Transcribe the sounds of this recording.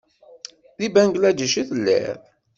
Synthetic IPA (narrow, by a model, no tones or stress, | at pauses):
ðibæŋɡlæd͡ʒəʃiθəlːḭɾ